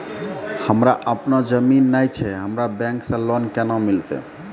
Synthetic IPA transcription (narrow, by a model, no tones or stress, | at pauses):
həmɾaʔəpnɔd͡ʒəminːajt͡ʃʰɛɦəmɾabɛ̃ŋksə̃lɔnkɛnɔmilt̪ḛ